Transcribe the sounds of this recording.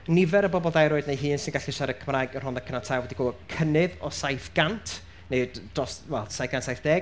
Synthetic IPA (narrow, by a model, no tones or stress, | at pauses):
nɪvɛɾəbɔbɔlˠdajɾoːɨdnejɦɨːnsɪnɡaɬiʃaɾəkʰəmrajɡənrʊnðakʰənatʰawɛdiɡoːkʰənɪðɔsajfɡ̥antʰ | ne̥drɔːswɛlˠsajfɡantsajfd̥ɛː